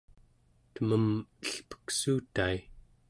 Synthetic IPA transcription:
t̪əməməɬpə̥ksuːt̪ai

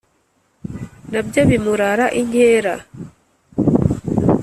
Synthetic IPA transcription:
nab̚d͡ʒabimuɾaːɾaʔiɲheːɾa

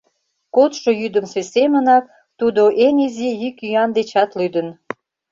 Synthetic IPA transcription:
kot̪ʃojyd̪əmsesemənɑk̚ | t̪ud̪oʔenizijykyɑnd̪et͡ɕɑt̪lyd̪ən

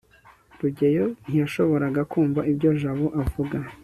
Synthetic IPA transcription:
ɾuɟe̞jo̞n̥hijaʃo̞βo̞ɾaɡakuːmvaibɟo̞ʒaβoʔavuɡa

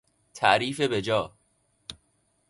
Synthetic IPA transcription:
t̪ʰæʔɾiːfe̞bed͡ʒɒː

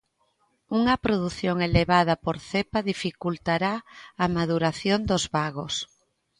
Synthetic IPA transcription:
uŋɐpɾoðuθjoŋeleβað̞ɐpoɾθepɐðifikult̪aɾaːmað̞uɾaθjond̪ozβaɣos

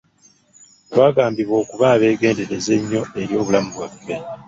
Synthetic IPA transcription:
βaːɡaːmbiβwo̞ːkuβaːβe̞ːɡe̞ːnde̞ɾe̞ze̞ɲːo̞e̞ɾjo̞ːβulamuβwafːe̞

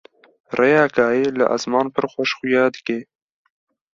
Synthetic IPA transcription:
rejaːkɑːeːlə̰ʔa̰zmɑːnpʰəɾxʷɔʃxʊjɑːd̪əkeː

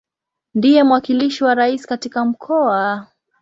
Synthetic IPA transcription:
ndijɛmwakiliʃiwaɾaisi̥katikam̩kʰɔa

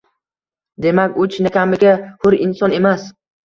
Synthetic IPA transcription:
d̪e̞makʲʊt͡ʃʰɪnɪkʲʰamɪɡʲahʊɾɪnsɒne̞mas

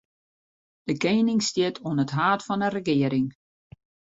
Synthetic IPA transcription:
d̥əkeːnɪŋstɪətʰoənətɦaːtfɔnərəɡɪəɾɪŋ

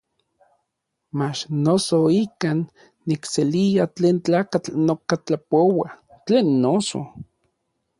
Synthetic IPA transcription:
mat͡ʃnosoikanː | ikseliat͡ɬeːnt͡ɬaːkat͡ɬnokat͡ɬapowa | t͡ɬeːnːoso̰

